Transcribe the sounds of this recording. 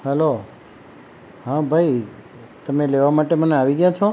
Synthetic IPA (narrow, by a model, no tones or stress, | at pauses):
hɛlo | ɦãbʱai | t̪əmeleʋamaʈeməneaʋiɡjãt͡ʃʰo